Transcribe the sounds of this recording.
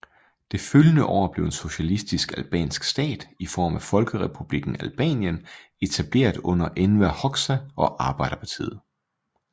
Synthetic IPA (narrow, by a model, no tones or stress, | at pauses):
d̥e̝føljənəʔɒ̰ːb̥le̝ʊe̝nso̝ɕælisd̥isɡ̥ælb̥ɛ̰ːnsɡ̥sd̥ɛ̰ːd̥ifɒ̰ːmæfɒ̽lɡ̥əʁɛpʰub̥liɡ̥n̩ælb̥ɛ̰ːnjən | e̝t͡sʰæb̥le̝̰ːɐd̥ɔ̽n̰ɐʔenʋæhɒ̽ɡ̥sæɒ̽ʔɑ̈ːb̥ɑ̈ɪ̰ɾ̥ɐpʰɑ̈t͡sʰḭːð̩ˠ